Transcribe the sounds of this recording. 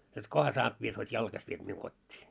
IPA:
jot kohɑ sɑːt ʋiet hotʲ jɑlkɑsʲ ʋiet miuŋ kotʲːiː

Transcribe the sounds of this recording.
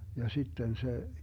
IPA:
jɑ sitːen se

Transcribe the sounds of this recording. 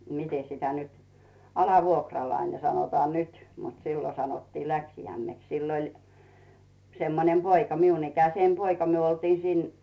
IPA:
mite sitæ nyt ɑlɑʋuokrɑlɑine sɑnotɑː nyt mut siːlo sɑnotːiː læksijæmːeks silː olʲ semːonem poikɑ miun ikæseːm poikɑ myø oltiː siːn

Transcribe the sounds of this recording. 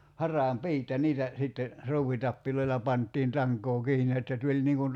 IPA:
hɑrˑɑːm piːt jɑ niːtæ sitːe ruːwitɑpːiloilɑ pɑntːiːn tɑŋkˑoː kiːni etːæ tulʲ niːŋ kun

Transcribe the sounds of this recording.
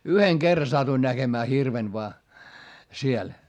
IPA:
yheŋ kerːɑ sɑtuin næɡ̊emæː hirʋen ʋoɑ siel

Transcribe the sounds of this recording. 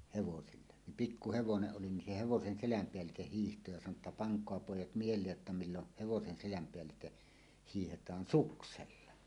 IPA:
heʋosilːe nim pikːu heʋoneʔ ʔoli nin se heʋosen selæm peælˑiteh hiːhto jɑ sɑno tːɑ pɑŋkˑoɑ poˑijˑɑt mielˑeːj jotːɑ milːoh̆ heʋosen selæm peælːite hiːhetˑɑːn sukselːɑ

